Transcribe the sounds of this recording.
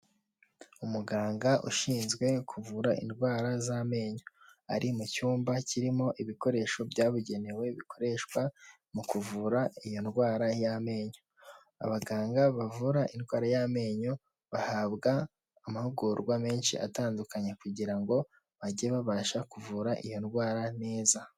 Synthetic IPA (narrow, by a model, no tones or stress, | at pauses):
umuɡaːŋɡaʔṵʃiːnzɡwe̞kʰuvuɾaʔḭnɡwaːɾazame̞ːɲoa̰ɾʔimucuːmbaciɾimo̞ʔiβiko̞ɾe̞ːʃo̞bjaːβuɟe̞newe̞βikʰo̞ɾe̞ʃkwa | mukuvuɾaijo̞nɡwaːɾajame̞ːɲo | a̰βaɡaːŋɡaβavuɾaʔinɡwaːɾajame̞ːɲo | βahaːβɡaː | mahuɡuɾɡwame̞ːnʃḭʔa̰taːndukaɲekuɟiɾaŋɡo̞ | βaɟeβaβaːʃakuvuːɾaʔijo̞nɡwaːɾane̞ːza